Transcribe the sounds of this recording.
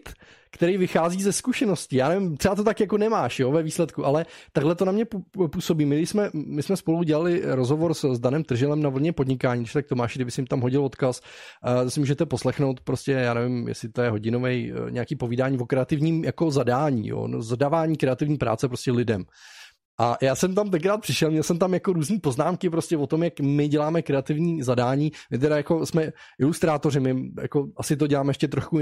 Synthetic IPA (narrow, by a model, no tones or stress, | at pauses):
t̪ | kt̪ɛɾijvɪxaːziːzɛskuʃɛno̞scɪjaːnɛvɪmt̪r̥ɛat̪ot̪̬akjako̞nɛmaːʃjovɛviːslɛt̪kuʔalɛt̪aɡlɛt̪onamɲɛpuːsobiːmɪsmɛmɪsmɛspo̞luɟɛlalɪɾozɦo̞vo̞ɾszdanɛmt̪r̩ʒɪlɛmnavl̩ɲɛpo̞dɲɪkaːɲiːd̪ɪʃt̪ak̚t̪omaːʃɡdɪbɪsɪmt̪amɦo̞ɟɪlot̪kasosɛmuːʒɛt̪ɛpo̞slɛxnowt̪pɾo̞scɛjaːnɛvɪmjɛ̰sɪt̪ojɛɦo̞ɟɪnovɛjɲʔɛ̰akiːpo̞viːdaːɲiːvo̞kɾɛat̪ɪvɲiːmjʔakozadaːɲḭːjo̰nzadavaːɲiːkɾɛat̪ɪvɲiːpɾa̰ːt͡sɛpɾoscɛlɪdɛm | ʔajaːsɛmt̪amt̪ɛŋkɾaːt̪̚pr̥ɪʃɛlmɲɛlˠsɛmt̪amjako̞ɾuːzniːpo̞znaːmkɪpɾoscʲɛvot̪o̞mjakmɪɟɛlaːmɛkɾɛat̪ɪvɲiːzadaːɲiːmɪt̪̬ɛɾajako̞smɛʔɪlust̪ɾaːt̪o̞rɪmɪja̰ko̞ʔasɪt̪̬oɟɛlaːmɛjɛʃcɛt̪ɾoʃku